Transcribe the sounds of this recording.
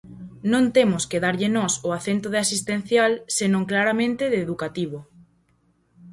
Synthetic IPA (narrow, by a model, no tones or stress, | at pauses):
nõnt̪emʊskeðaɾʎɪnɔsʊaθent̪oðɪasist̪ẽn̟θjalsenõŋklaɾamẽnt̪ɪðeːðukat̪iβ̞o